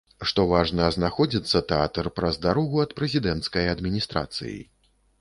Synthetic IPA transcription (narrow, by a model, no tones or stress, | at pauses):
ʂt̪ɔvaʐnɐznaxɔd͡zʲit̪sːɐt̪ɛa̰t̪ɐrpɾɐzd̪aɾɔɣuɐt̪pɾɛzʲid̪ɛnt̪skɐjɐd̪mʲinʲist̪ɾa̰t̪sɨ̰jḭ